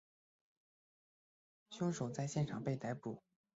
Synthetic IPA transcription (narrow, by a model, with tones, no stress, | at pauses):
ɕʊ˥ŋʂo˨˩ʊt͡sa˥˧ɪɕjɛ˥˩nʈ͡ʂʰɑ˨˩ŋpe˥˩ɪt̪a˧˥ɪpu˨˩˦